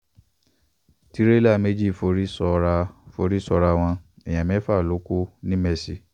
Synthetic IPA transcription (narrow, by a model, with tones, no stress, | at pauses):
ti˦ɾe˦la˦˨me˦d͡ʒi˦˨fo˧ɾi˦sɔ˧ɾa˧fo˧ɾi˦sɔ˧ɾa˧w̃ɔ̃˧ɛ˨j̃ã˨mɛ̃˨˦fa˦˨lo˨˦ku˦nĩ˦mɛ˦˧si˧˦